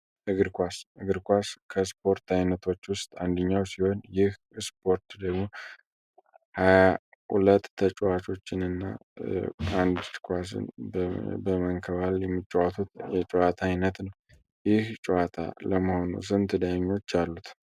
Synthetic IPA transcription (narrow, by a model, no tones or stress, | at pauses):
ʔɨɡɨɾkʷasɨɡɨɾkʷaskʰəspʰo̞ɾt̪ʰajnət̪ʰo̞t͡ʃːwʊst̪ʼand̪əɲːawsiho̞njɪh | spʰo̞ɾt̪d̪əɡmo̞ | haj | hṵlət̪ːʰət͡ʃʼwat͡ʃʰo̞t͡ʃːɪnɨnːa̰ | and̪kʰʷas̬ɨ̰n | bəməŋkʰəβaljɛmːɨt͡ʃʼːɛwat̪ʰut̪jɛt͡ʃʼɔwat̪ʰajnət̪nəw | jɪht͡ʃʼɛwat̪ʰa̰ləməho̞nṵsɨnt̪ʰɨd̪ajɲːo̞t͡ʃːalːut̪ʰ